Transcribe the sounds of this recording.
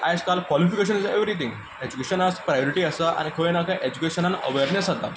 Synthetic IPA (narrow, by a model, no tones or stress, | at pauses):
ajeskalkʋɔlifikeɕənizeʋɾit̪iŋɡ | ed͡ʑukeɕənaspɾajɔɾiʈiasaʔa̰nikʰəʋenakʰaʔed͡ʑukeɕənanə̰ʋeɾnesɦat̪a